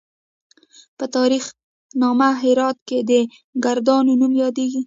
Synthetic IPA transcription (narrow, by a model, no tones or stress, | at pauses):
pət̪ɑɾix | nɑmaɦɪɾɑt̪̚ked̪ə | ɡaɾd̪ɑnonumjɑd̪eɡi